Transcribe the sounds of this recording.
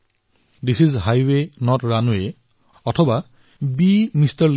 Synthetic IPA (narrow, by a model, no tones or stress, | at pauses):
disizɦajwenɔtɹanue | ɔtʰɔba | bimistaɹl